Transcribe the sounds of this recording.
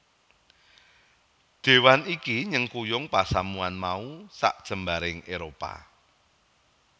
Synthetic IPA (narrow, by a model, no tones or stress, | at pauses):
d̪̥e̤wanikiɲəŋkujʊŋpasamuanmausa̰ʔd̥ʒ̥ə̤mbaɾɪŋeɾopa̰